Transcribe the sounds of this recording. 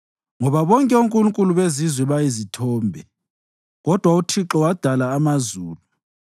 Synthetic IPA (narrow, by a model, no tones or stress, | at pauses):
ŋɔβaβɔŋkʼɛuŋkʼuluŋkʼuluβezizwɛβajizitʰɔːmbʱɛ | ɣɔd̥ʱwautʰiǁɔwad̥ʱalaːmazuːlu